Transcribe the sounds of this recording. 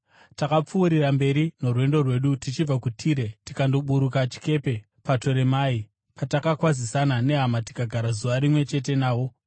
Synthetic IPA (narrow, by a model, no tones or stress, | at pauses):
takap͡fuːɾirambe̞ɾino̞rwe̞ndo̞rwe̞ɗutit͡ʃib͡vakutʰiːɾe̞tikando̞ɓuɾukat͡ʃi̥ke̞pe̞ | pato̞ɾe̞mai | patakakwazisanane̞ɦamati̥kaɡʱaɾazuʋaɾimwe̞t͡ʃe̞t̬e̞naːwo̞